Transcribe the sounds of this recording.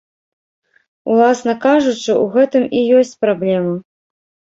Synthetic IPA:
ṵlˠasnɐkaʐut͡ʂɨuɣɛt̪ɨmijɔsʲt͡sʲpɾablʲɛmɐ

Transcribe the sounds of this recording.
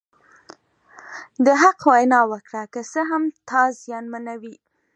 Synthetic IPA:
d̪əɦaqwajnɑwəkɽakəsəɦamt̪ʰɑzjɑnmanawi

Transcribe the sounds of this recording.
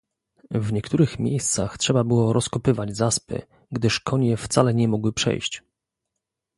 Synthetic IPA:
vɲɛkt̪uɾɘxmʲjḛjst̪sa̰xtʂɛbabɘwɔɾʔɔskɔpɘvad͡ʑzaspɘ̰ | ɡd̪ɘʂkʰɔɲɛft̪salɛɲɛmɔɡwɘpʂɛ̰jɕt͡ɕ

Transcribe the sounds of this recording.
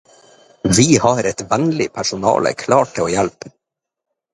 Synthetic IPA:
vɪhɑɾɛt̪vɛnlɪpʰæʂʊnɑ̰ːlə̰kʰlɑːʈ̚ʰːɪloːjɛlp

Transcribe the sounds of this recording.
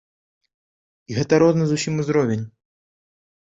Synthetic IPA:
iɣɛt̪ɐɾɔznɨzusʲimuzɾɔvʲenʲ

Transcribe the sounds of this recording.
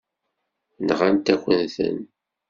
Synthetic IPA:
nʁant̪ækʷːənθə̰n

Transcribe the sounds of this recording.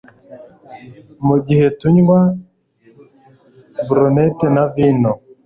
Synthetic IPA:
muɡihetuɲwa | vuɾonetenavino

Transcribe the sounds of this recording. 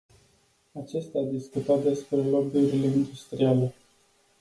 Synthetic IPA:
at͡ʃe̞st̪eaːd̪iskut̪at̪̚d̪e̞spɾe̞lo̞buɾile̞ind̪ust̪ɾiale̞

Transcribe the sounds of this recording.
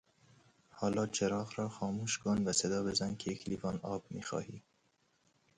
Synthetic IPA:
hɒːlɒːt͡ʃʰeɾɑːɣɾɒːxɒːmuːʃkʰonvæsed̪ɒːbezænkʰejekʰlivɒːnɒːbmḭːxɒ̰ːhiː

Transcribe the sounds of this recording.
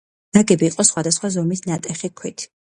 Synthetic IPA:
d̪̥aɡɛbiːqʼɔsχwad̪asχwazɔmisnat̪ʼɛχikʰwit̪ʰ

